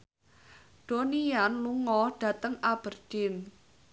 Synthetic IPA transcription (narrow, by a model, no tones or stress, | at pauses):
ɖ̥onijanluŋɔɖ̥ä̤t̪əŋab̥ərd̥ɪn